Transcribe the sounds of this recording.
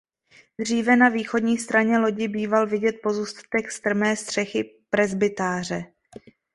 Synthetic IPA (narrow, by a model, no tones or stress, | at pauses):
d̪r̝iːvɛnaviːxo̞dɲiːst̪ɾaɲɛlo̞ɟɪbiːvalvɪɟɛt̪̚po̞zuːst̪ḁt̪ɛkst̪r̩mɛːst̪r̝̥ɛxɪpɾɛzbɪt̪aːr̝ɛ